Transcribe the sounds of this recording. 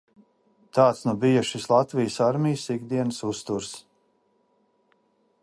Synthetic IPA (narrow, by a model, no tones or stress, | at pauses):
t̪aːt̪snubijuʃislˠat̪vijsaɾmʲijsiɡd̪iɛnsust̪uɾs